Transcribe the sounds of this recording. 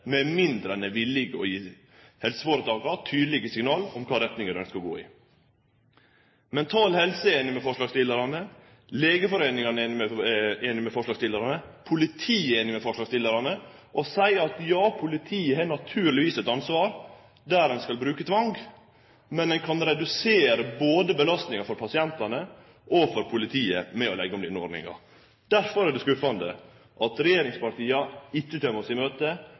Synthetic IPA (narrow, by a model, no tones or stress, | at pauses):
mɛmɪnd̪ɾɛnəʋɪlɪɡəɔ̰jiː | hɛlsəfoːɾət̪ʰɑːɡɑt̪ʰyːd̪lɪɡəsɪŋnɑːlɔmkʰɑːɾɛt̪nɪŋəɾœnskɑɾɡo̰ːɪ̰ː | mɛnt̪ʰɑːlhɛlsəeːnɪmɛfɔʂɭɑːɡst̪ɪlːəɾɑnə | leːɡəfɔɾeːnɪŋɑnəːnɪmɛeːnɪmɛfɔʂlɑːɡst̪ɪləɾɑnəpʰʊlɪt̪ʰiːeːnɪmɛfɔʂlɑːɡst̪ɪləɾɑnəʔɔsæɪɑt̪jɑːpʰʊlɪt̪ʰiːəɦɛnɑt̪ʰʉːɾlɪʋiːsɛt̪ɑnsʋɑːɾ | d̪æːɾɛnskɑlbɾʉːkət̪ʰʋɑŋɡ | mɛnd̪ɛnkʰɑnɾɛd̪ʉseːɾəboːd̪əbəlɑst̪nɪŋɑfɔɾpʰɑsɪɛnt̪ɑnə | ʔɔfɔɾpʰʊlɪt̪ʰiːə̰mɛɔlɛɡːɔmd̪ɪnəɔ̰ɾɖɳnɪ̰ŋɑ̰ | d̪̥æɾfɔɾæɖɛskʉfɑnd̪ə̰ | ʔɑt̪ɾɛjeːɾɪŋspɑɾʈiːɑɪt͡ʃːət̪ʰœməsɪmøːt̪ə